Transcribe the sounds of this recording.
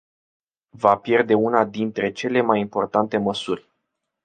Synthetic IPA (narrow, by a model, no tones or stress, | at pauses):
vapje̞rd̪e̞unad̪int̪ɾe̞t͡ʃe̞le̞majimpo̞rt̪ant̪e̞məsurʲ